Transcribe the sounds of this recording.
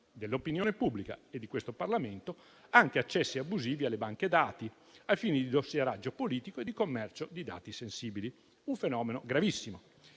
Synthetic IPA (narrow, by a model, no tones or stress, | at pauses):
d̪elːopinjoːnepubːlika̰ed̪ːikwest̪oparlament̪o | aŋk̟eat͡ʃːɛsːiabːuziːvialːebaŋked̪aːt̪i | alfiːned̪id̪osːjeɾad͡ʒːopoliːt̪ikoed̪ikomːɛrt͡ʃod̪id̪a̰ːt̪isensiːbili | uɱfenɔːmenoɡɾavisːimo